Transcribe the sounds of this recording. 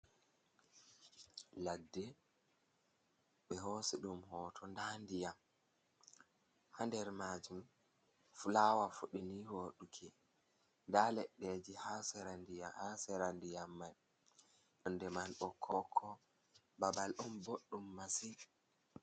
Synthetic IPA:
ladːɛ | ɓɛɦosiɗumhɔːtʰɔndandijam | handɛɾmaːd͡ʒum | fulawafuɗinihoːɗukʰɛ | ndalɛɗːɛd͡ʒihasɛɾandiahasɛɾandijamːaj | ɗundɛmanɗɔkʰːɔkʰːɔ | babalɗumboɗːumːasi

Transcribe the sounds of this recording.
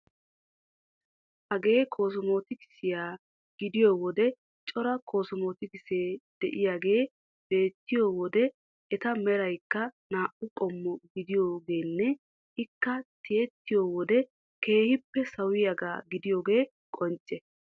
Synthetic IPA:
hɐɡe̞ːkʰo̞ːs̬ʊmo̞ːt̪ɪkɪ̥sɪjaː | ɡ̥ɪd̪ɪjoːwɔd̪ɛ | t͡ʃʼɔɾɐkʰo̞ːsʊmoːt̪ɪkɪseːd̪̥ɛ̰ʔɪjaːɡe̞ː | b̥e̞ːt̪ːɪjo̞ːwɔd̪ɛ | ɛt̪ɐmɛɾɐjkːɐnaːʔʊkʼɔmːɔɡɪd̪ɪjo̞ːɡe̞ːnːɛ | ɪkːɐt̪ɪjɛt̪ːɪjo̞ːwɔd̪ɛ | ke̞ːhɪpːɛsɐwɪjɐɡa̰ːɡɪd̪ɪjo̞ːɡe̞ː | kʼɔnt͡ʃʼːɛ

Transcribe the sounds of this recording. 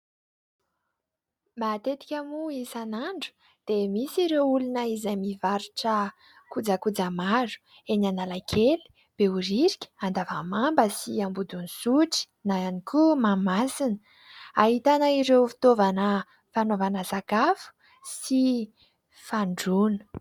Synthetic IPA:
mat̪et̪i̥kʲamuisanaɳɖ͡ʐu̥ | d̪̥emisiɾewulunəizajmivaɾuʈ͡ʂə | kud͡zakud͡zamaɾu̥ | enanalakʰeli̥ | b̥euɾiɾikʲə̥and̪avəmambəsiambud̪unisuʈ͡ʂi̥ | naanikumamasinə | aɦit̪anəiɾewfi̥t̪ovanə | fanovanəsakafu̥ | si | faɳɖ͡ʐunə̥

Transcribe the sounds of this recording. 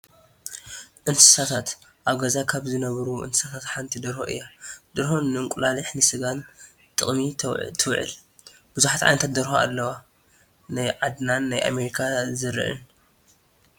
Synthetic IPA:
ʔɨnsɨ̥sat̪ʰat̪ | ʔaβɡɐzakʰaβzɨnɐβɐɾuʔɨ̰nsɨ̥sat̪ʰat̪ħant̪ʰid̪ɐɾho̰ʔɨ̰jːad̪̥ɨɾhonːɨɨŋkʷʼulaliħnɨsɨɡan | t̪ʼɨχʼmit̪ʰɨwʕɨ̰l | b̥ɨzuħat̪ʕa̰jnɐt̪ʰat̪d̪ɐɾhoa̰lːɐwa | najʕad̪nanːajʔa̰meɾikʰazɨɾɨ̰ʔɨ̰n

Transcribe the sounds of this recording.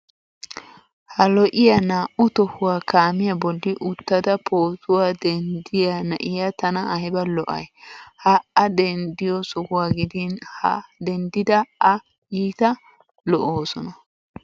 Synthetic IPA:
hɐlɔʔɪjanaːʔʊt̪ɔhʊwaːkaːmɪjɐbɔlːɪʔʊt̪ːɐd̪ɐpʰoːt̪ʊwaːd̪ɛnd̪ɪjanɐʔɪjat̪ɐnɐʔɐhɪbɐlɔʔɐ̰jhɐɐd̪ɛnd̪ɪjɔsɔhʊwaːɡɪd̪ɪnhɐ̰d̪ɛnd̪ɪd̪ɐɐ | jiːt̪ɐ | lɔʔoːsɔnɐ

